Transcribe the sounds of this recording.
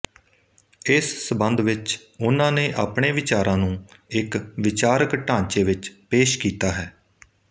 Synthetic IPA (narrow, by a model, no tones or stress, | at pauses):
ɪsːəbənd̪ʋɪt͡ʃ | ʊnãːneːʔaːpɳeːʋɪt͡ʃaːɾãːnũːɪkʋɪt͡ʃaːɾəkʈãːɲt͡ʃeːʋɪt͡ʃpeːʃkiːt̪aːɦɛː